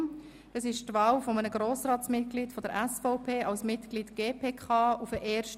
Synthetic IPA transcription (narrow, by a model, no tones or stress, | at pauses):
d̥ɑsɪʃtvɑːlfɔmənəɡ̥ɾoːsrɑːtsmɪt̚klitfɔdəɾʔæsfɔʊpʰeːɑlsmɪtɡ̥litɡ̥eːpʰeːkʰɑːufəʔɛːɾʃt